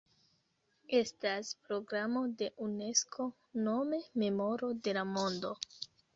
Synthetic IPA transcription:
e̞staspɾo̞ɡɾamo̞de̞ʔune̞skʰo̞ | no̞me̞me̞mo̞ɾo̞de̞lamo̞ndo̞

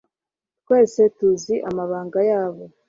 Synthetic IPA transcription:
t̚we̞ːse̞tuziʔamaβaːŋɡajaːβo̞

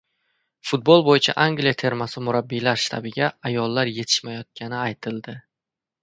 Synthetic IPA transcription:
fʊt̪̚bolˠbojɪt͡ʃʰa̰ʔaŋɡlijat̪ʰe̞ɾmasɪmʊɾabːilaɾʃt̪ʰa̰bɪɡʲaajɒlˠːaɾje̞t̪ʰɪ̥ʃmajɒt̪̚kʲʰanɪajt̪ʰɪld̪ɪ

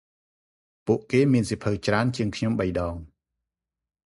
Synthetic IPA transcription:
puəʔkeːmiənsipʰɨwt͡ɕraənt͡ɕiəŋkʰɲomɓəjɗɑːŋ

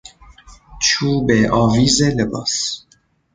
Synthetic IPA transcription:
t͡ʃʰuːbeʔɑːviːzeləbɑ̰s

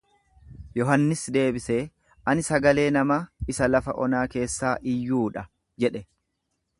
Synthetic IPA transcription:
jɔɦɐnːɪsd̪e̞ːbɪseː | ɐnɪsɐɡɐle̞ːnɐmɐɪsɐlɐfɐ̰ʔɔnaːke̞ːsːaːʔɪjːuːᶑɐ | d͡ʒɛᶑɛ

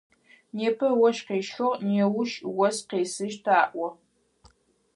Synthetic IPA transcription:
neːpʰɨwɔʃqeːʃʊʁneːwʊʃwɔsqeːsɨʒtʰaːʔʷɔ

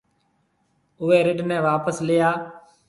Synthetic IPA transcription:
ʊʋeːɾɪɖnɛ̃ːʋaːpəslɪjaː

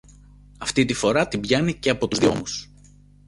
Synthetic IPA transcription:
ɐft̪it̪ifo̞ɾɐt̪imbʝɐnice̞ɐpo̞t̪uzðjo̞̰mus

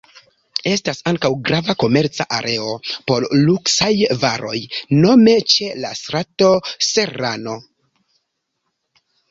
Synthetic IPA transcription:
e̞stasaŋkawɡɾavako̞me̞ɾt͡sa̰ʔaɾʔe̞o̞po̞ɾluksajvaɾʔo̞̰jno̞me̞t͡ʃe̞lastɾato̞se̞ɾano̞

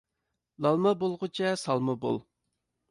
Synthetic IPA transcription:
lˠɑlˠmɑbolˠʁʊt͡ʃʰɛsɑlˠmɑbo̰lˠ

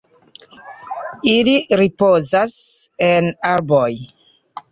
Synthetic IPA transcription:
iliɾipo̞zasenaɾboj

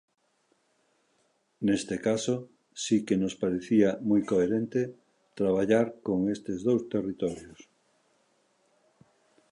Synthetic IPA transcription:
nest̪ekaso | sikenospaɾeθiamujkoeɾent̪e | t̪ɾaβ̞aʎaɾkoŋest̪ezðowst̪erit̪ɔɾjos

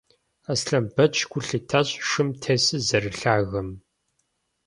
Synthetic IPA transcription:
ɐsɬɐmbɐt͡ʃʰʼɡʷʊɬɨtʰɐɕʼʂɨmtʰeːsɨzɐrɨɬaːɣɐm

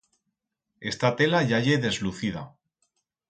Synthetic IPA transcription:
e̞st̪at̪e̞laʝaʝe̞ðe̞zluθiða̰

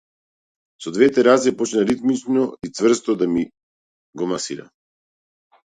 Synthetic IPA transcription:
sɔd̪vɛt̪ɛɾazɛpɔt͡ʃnaɾit̪mit͡ʃnɔit̪svr̩st̪ɔd̪ami | ɡɔmasiɾa̰

